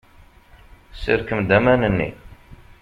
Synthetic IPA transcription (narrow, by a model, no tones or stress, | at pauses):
sḭɾkəmd̪æmænənːḭ